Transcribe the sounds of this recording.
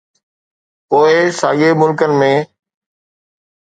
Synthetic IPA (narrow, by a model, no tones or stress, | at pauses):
poːɪsaːɠemʊlkənɪ̆mẽː